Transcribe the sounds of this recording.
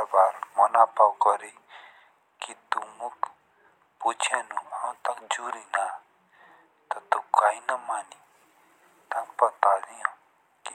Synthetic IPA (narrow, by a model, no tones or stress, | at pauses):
baːɾmɔnaːpawkɔɾe | kit̪umuk | put͡ʃʰanuãt̪ɐkd͡ʒuːɾina | t̪ot̪ukaːĩnɐmaːni | t̪ampət̪aːd̪iõ | ki